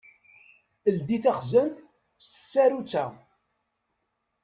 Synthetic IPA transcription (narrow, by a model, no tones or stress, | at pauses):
əld̪iθaχzənt̪ | st̪ə̥sːæɾut͡sːæ